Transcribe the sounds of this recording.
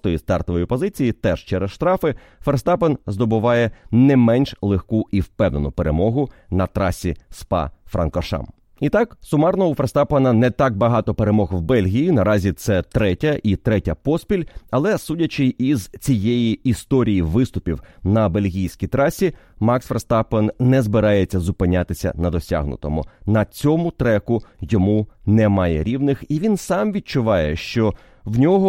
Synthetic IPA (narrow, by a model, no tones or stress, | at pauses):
t̪ɔjist̪ɑ̰rt̪ɔʋɔjipɔzɪt͡sʲijit̪ɛʃt͡ʃɛɾɛsʃt̪ɾɑfɪ | fɛrst̪ɑpɐnzd̪ɔbʊʋɑjɛnɛmɛnʲʃlˠexkuʔiwpɛwnenʊpeɾemɔɦʊnɐt̪ɾɑsʲispɑ̰fɾʔɐ̰nkɔʃɑ̰m | it̪ɑksʊmɑrnɔɦɔʊferst̪ɑpɐnɐnɛt̪ɑk̚bɐɦɑt̪ɔpeɾemɔɣwbɛlʲɦʲijinɐɾɑzʲit̪sɛt̪ɾɛtʲɐʔit̪ɾɛtʲɐpɔspʲilʲɐlˠɛsudʲɐt͡ʃɪjizt͡sʲijejiːst̪ɔɾʲijiʋɪst̪ʊpʲiwnɐbe̞lʲɦʲijsʲkʲijt̪ɾɑsʲi | mɑksfrst̪ɑpɐnnɛzbɪɾɑjet͡sʲːɐzʊpɪnʲat̪ɪsʲɐ̰nɐd̪ɔsʲa̰ɦnʊ̰t̪ɔ̰mʊ̰nɐt͡sʲɔmʊt̪ɾɛkʊjɔmunɛmɑjɛ̰ɾʲiʋnɪxiʋʲinsɑmʋʲid̪̚t͡ʃʊʋɑjɛʃt͡ʃɔ | wnʲɔɦɔ